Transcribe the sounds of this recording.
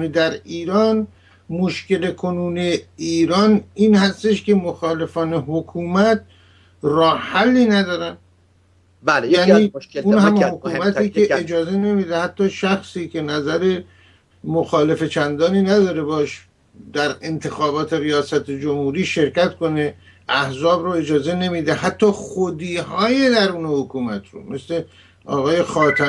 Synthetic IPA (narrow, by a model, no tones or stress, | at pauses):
nid̪æɾiːɾɒːn | moʃke̞lekʰonuːneeiːɾɒːniːnhæst̪eʃke̞moxɒːle̞fɒːneɦokʰuːmæt̪̚ | rɒːhhælːiːnæd̪ɒːɾæn | ljæːniːunhæmhokuːmæt̪iːkeːd͡ʒɒːze̞ne̞mid̪ehæt̪ːɒːʃæxsiːcʰe̞næzæɾe̞ | moxɒːle̞fe̞t͡ʃʰænd̪ɒːniːnæd̪ɒːɾe̞bɒːʃ | d̪æɾe̞nt̪ʰe̞xɒːbɒːt̪ʰe̞ɾijɒːsæt̪ʰed͡ʒomhuːɾiːʃe̞ɾkcæt̪ko̞ne | æhzɒːbɾoe̞d͡ʒɒːze̞ne̞miːd̪eɦæt̪ʰːɒːχod̪iːɦɒːjed̪æɾuːnehokʰuːmæt̪ɾo̰me̞sle̞ | ɒ̰ːɣɒːje̞xɒːt̪ʰæ